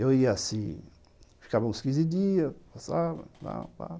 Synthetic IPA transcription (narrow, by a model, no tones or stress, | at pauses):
ewiasĩ | fi̥kavɐũskizid̪iɐpasavɐ̰̃la̰ba̰